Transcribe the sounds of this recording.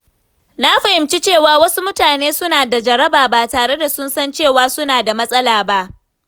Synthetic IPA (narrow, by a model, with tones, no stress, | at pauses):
na˦ɸa˨hɪ˨mt͡ʃi˦t͡ʃeː˦˨waː˨wɐ˦su˦mʊ˦taː˨neː˦sʊ˦naː˨da˨d͡ʒɐ˨ɾɐ˦baː˨ba˨taː˨ɽe˦da˨sʊ˦nsɐ˦nt͡ʃeː˦˨waː˦sʊ˦naː˨da˨mɐ˦sʼɐ˦laː˨ba˦ʔ